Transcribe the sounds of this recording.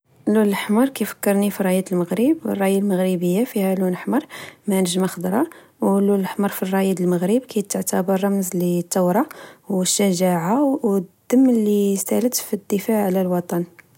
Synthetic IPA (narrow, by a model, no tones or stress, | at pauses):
lullħmɑɾˤkijfə̥kːəɾˤnifiɾˤːɑjid̪əlməɣɾibə̰rˤːɑjalməɣɾibəjːafihælunəħmɑɾˤmænəʒmaxəd̪ɾˤɑ | wlulːħmɑɾˤfirˤːɑjid̪əlməɣɾibkʰæjt̪ːəʕt̪abərˤːɑmzlit̪ːɑwɾˤɑwəʃːəʒaʕawd̪̥ːəmːəlist̪ælət̪fid̪ːəfaʕʕlælwɑt̪ˤɑn